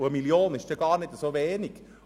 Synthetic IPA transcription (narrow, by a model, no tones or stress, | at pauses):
ʊəmiljoːnɪʃd̥eːɡɑːɾnɪdəsoʋeːniɡ̥